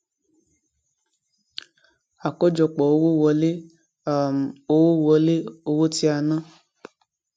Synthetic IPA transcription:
a˨kɔ˦d͡ʒɔ˨k͡pɔ˨o˦wo˦wɔ˧le˦˨ | o˦wo˦wɔ˧le˦o˧wo˦ti˦a˧nã˦

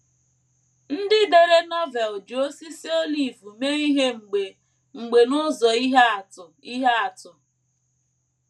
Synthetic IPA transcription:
n̩˦dɪ˦de˨ɾe˦nɔ˦vɛ˨ld͡ʒu˨o˦si˦si˦o˦li˨vu˨me˦i˦ɦe˦ŋ͡m̩˨ɡ͡be˨ | ŋ͡m̩˨ɡ͡be˨nʊ˦zɔ˨i˦ɦe˦a˨tʊ˨i˦ɦe˦a˨tʊ˨

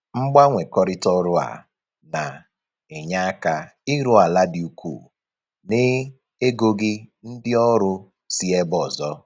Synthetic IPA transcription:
ŋ͡m̩˦ɡ͡ba˦ŋʷe˨kɔ˦ɾɪ˦tɔ˦ɾʊ˦a̰˨ | na˨ | e˨ɲa˦a˦ka˨ | i˦ɾu˦a˨la˦dɪ˨u˨kṵː˦˨ | nɪ˦ | e˦ɡo˦ɡɪ˦n̩˦dɪ˦ɔ˦ɾʊ˦ | si˦e˦bɔ˨zɔ˦

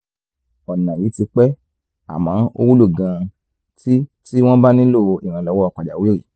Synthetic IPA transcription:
ɔ˨nã˨ji˨˦ti˧k͡pɛ˦ | a̰˨mãː˨˦o˧wu˦lu˦˨ɡã˧ | ti˦ti˦w̃ɔ̃˦ba˦nĩ˦lo˦˨˧i˨ɾ̃ã˧lɔ˧˦wɔ˦ɔ˧˨k͡pa˨da˨we˦ɾḭ˦˨

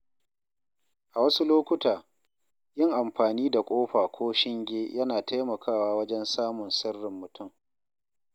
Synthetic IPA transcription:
ʔa˨wɐ˦su˦loː˦kʷʊ˦taː˨ | jɪ˦˨ŋʔa˨mɸaː˨niː˦da˨kʷʼoː˦ɸaː˨kʷʰoː˦ʃɪ˦ŋɡʲeː˦jɐ˦naː˨tʰa˦jmɐ˨kʰaː˦waː˦wɐ˦d͡ʒɛ˦nsaː˦mʊ˨nsɐ˦rːɪ˨mːʊ˨tʊ˦˨ŋ

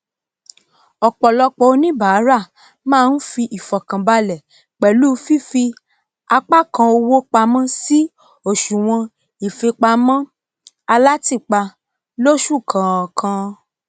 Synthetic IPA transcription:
ɔ˨k͡pɔ˨lɔ˧k͡pɔ˨o˧nĩ˦ba˨a˨˦ɾa˦˨ | mãː˦˨˧n̩˦fi˧ʔi˨fɔ˨kã˨ba˧lɛ˨ | k͡pɛ˨lu˦fi˦fi˧ | a˧k͡pa˦kã˧o˧wo˦k͡pa˧mã˦si˦ | o˦˨ʃũ˨w̃ɔ̃˧ | i˨fe˧k͡pa˧mã˦ | a˧la˦ti˦˨k͡pa˧ | lo˦ʃu˦˨kʰã˨kʰã˧

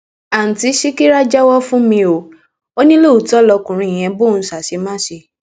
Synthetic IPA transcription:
a˨n̩˨ti˨˦ʃi˦ki˦ɾa˦d͡ʒa˦wɔ˦fũ˦mĩ˧o˨ | o˦nĩ˦lo˦˨u˨tɔ˦lɔ˧kũ˨ɾ̃ĩ˧˨j̃ɛ̃˧bo˦˨n̩˦sa˨ʃe˨˧˦mã˦ʃe˧

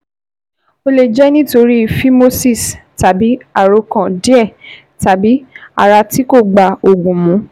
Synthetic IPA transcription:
o˧le˨d͡ʒɛ˦nĩ˦to˧ɾi˦˨fi˦mo˦si˦˨sta˨bi˨˦a˨ɾo˧˦kã˨di˦ɛ˦˨ | ta˨bi˨˦a̰˨ɾa˧ti˨˦ko˦˨ɡ͡ba˨o˨ɡũ˨mũ˨˦

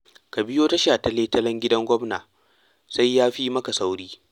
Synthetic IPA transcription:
kɐ˨bɪ˦joː˦ta˦ʃaː˨tɐ˦leː˦tɐ˦lɐ˦ŋɡʲɪ˦dɐ˦ŋɡʷɔ˦mna̰ː˨ | sa˦jːaː˦ɸi˦mɐ˦ka˨sa˦wɽiː˦

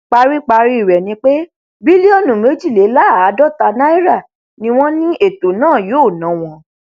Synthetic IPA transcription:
k͡pa˧ɾi˦k͡pa˧ɾi˦i˨ɾɛ˨nĩ˧k͡pe˦ | bi˦li˦o˧nũ˨me˨˦d͡ʒi˦˨le˨˦la˦˨a˨˦dɔ˦ta˧na˦i˦ɾa˦˨ | nĩ˧w̃ɔ̃˦nĩ˦ʔe˦˨to˨nãː˦˨joː˨˦˨nã˨˦w̃ɔ̃˧

